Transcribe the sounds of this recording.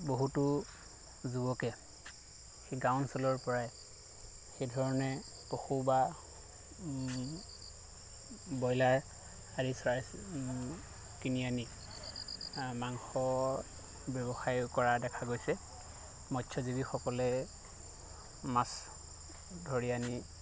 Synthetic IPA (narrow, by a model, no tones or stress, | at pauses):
boɦutu | zubɔkɛ | xeɡawnsɔlɔɹpɔɹaj | xejdʱɔɹɔnɛ | poxuba | bɔjlaɹ | adisɔɹaj | kiniani | maŋxɔ | bjɔbɔxajkɔɹadɛkʰaɡojsɛ | mɔtʰɔzibixɔkɔlɛ | mas | dʱoɹiani